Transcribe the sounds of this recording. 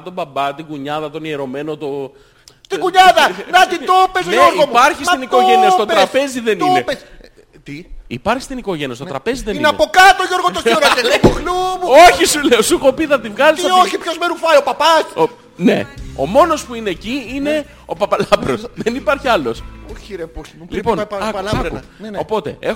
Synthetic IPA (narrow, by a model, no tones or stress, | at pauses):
t̪obɐbɐt̪iɡuɲɐðɐt̪o̞nieɾo̞me̞no̞t̪o | t̪iɡuɲɐðɐnɐt̪it̪opezeoɾɣoupɐɾçist̪inikoʝeniɐst̪otp̪ɾɐspe̞ziðe̞nioepes | t̪iipɐɾçi̥st̪iniko̞ʝe̞niɐst̪t̪ɾɐpe̞ziðeiinɐpokɐt̪oʝo̞ɾɣot̪osɐɐebuɾlumuoçisuleosukopiðɐt̪̬ivɣɐlosɐoçipçozmeɾufɐjopɐpɐs | ne̞̰o̞̰mo̞nospuine̞ːciine̞ | opɐpɐlɐpɾo̞sðenipɐɾçiɐlo̞sçiɾeposliponɐkɐkṵopo̞t̪e̞̰ex